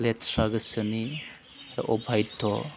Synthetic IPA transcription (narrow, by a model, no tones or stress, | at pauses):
letsɾaɡɐsɐni | ʔɔbʱajtʰːɔ